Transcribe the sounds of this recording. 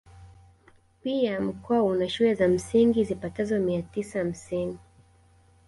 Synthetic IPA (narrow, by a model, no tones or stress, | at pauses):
piam̩kɔaunaʃulɛzam̩siŋɡizipatazɔmiatisaham̩sini